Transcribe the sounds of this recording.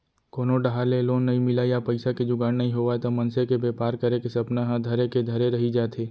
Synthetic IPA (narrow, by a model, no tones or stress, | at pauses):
koːnoɖɐɦaːleloːnːɐɦĩmɪlajapɐɪsaked͡ʒʊɡaːnːɐɦĩɦoʋat̪omɐnsekebeːpaːɾkɐɾekesɐpnaɦãd̪ʱɐɾeked̪ʱɐɾeɾɐɦid͡ʒaːt̪ʰeː